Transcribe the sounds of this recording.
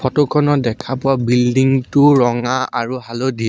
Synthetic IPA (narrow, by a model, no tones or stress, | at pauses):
pʰɔtokʰɔnɔdɛkʰapʊwabildiŋtʊɹɔŋaaɹuɦalodiɛ